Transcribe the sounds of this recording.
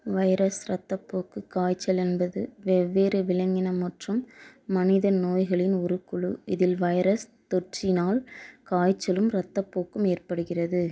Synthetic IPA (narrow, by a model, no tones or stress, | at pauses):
ʋɐjɾɐsɾɐt̪ːɐpːoːkɯkaːjt͡ʃːɐlɛnbɐðɯʋɛʋːeːɾɯʋɪlɐŋɡɪnɐmɐʈrɯmːɐnɪðɐnoːjɣɐɭɪnɔɾɯkːʊɭɯɪðɪlʋɐjɾɐst̪ɔʈrɪnaːlkaːjt͡ʃːɐlɯmɾɐt̪ːɐpːoːkːɯmeːrpɐɽɯɣɪrɐðɯ